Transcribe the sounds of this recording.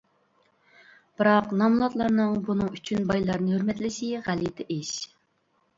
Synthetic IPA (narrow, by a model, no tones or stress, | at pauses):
b̥ɨɾɑqnɑmlˠɑt̪lˠɑɾnɨŋbunɨŋyt͡ʃʰynbɑjlˠɑɾnɨhøɾmɛt̪lɪsɪʁælit̪ʰɛʔeʃ